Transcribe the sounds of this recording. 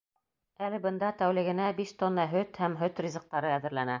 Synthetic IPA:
ælɘbɤ̆nd̪ɑt̪æwlɘ̆ɡɘ̆næbiʃt̪onːɑɦɵt̪hæmɦɵt̪rʲizɤ̆q̚t̪ɑɾɤæðɘ̆ɾlænæ

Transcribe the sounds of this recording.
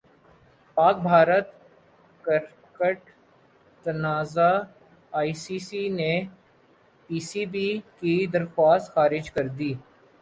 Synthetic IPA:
paːk̚bʱaːɾət̪ | kəɾ | kəʈ | t̪ɐnaːza | aːisiːsine | piːsiːbikid̪ɐɾxwaːst̪xaːɾɪd͡ʒkɐɾd̪iː

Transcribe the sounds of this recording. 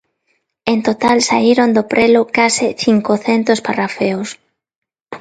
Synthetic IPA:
ent̪ot̪alsaiɾond̪opɾelʊkasɪθiŋkoθent̪osparafeos

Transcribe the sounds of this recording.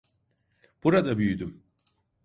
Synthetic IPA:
b̥uɾad̪abyjyd̪ym

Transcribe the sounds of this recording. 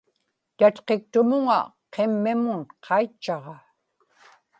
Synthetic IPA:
t̪at̪qe̞k̚t̪ʊmʊŋa̰ | qʰe̞mːɪmʊnqʰɑjt͡ʃːɑʁɑ

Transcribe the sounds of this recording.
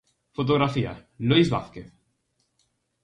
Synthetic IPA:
fot̪̬oɣɾafia̰lujzβaθkeθ

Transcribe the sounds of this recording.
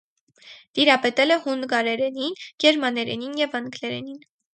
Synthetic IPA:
t̪iɾɑpɛt̪ɛlɛhunɡɑɾɛɾɛninɡɛɾmɑnɛɾɛninjɛvɑnɡlɛɾɛ̰nin

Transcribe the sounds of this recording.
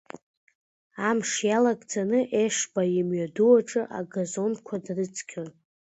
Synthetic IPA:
amʂjalaɡʼd͡zanɨʔeʂbajimɥaduwaʈ͡ʂʼɨʔa̰ɡazo̞nkʷʰadrɨt͡sʰkʲʰɨr

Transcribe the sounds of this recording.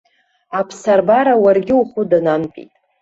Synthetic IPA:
apʰsarbaɾawarɡʲɪuχʊdananpʼḭtʼ

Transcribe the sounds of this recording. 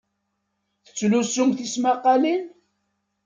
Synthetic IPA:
θə̥t͡sːlusumθismaqːɑlin

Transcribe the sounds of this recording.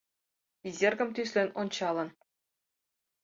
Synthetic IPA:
izʲerɡʲɘ̆mt̪ysʲlʲenʲont͡ɕɑlˠɤ̆n

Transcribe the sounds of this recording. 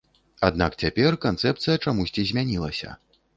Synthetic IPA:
ad̪̚nakt͡sʲapʲɛrkant̪sɛpt̪sɨjɐt͡ʂamusʲt͡sʲizʲmʲanʲilˠɐsʲɐ̰

